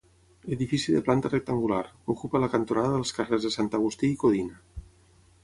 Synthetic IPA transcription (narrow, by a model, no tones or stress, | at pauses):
eðifisiðəplant̪ərek̚t̪aŋɡula̰ɾokupəlakant̪onaðəðəlˠskarezðesant̪aɣ̞ust̪iːkoðinə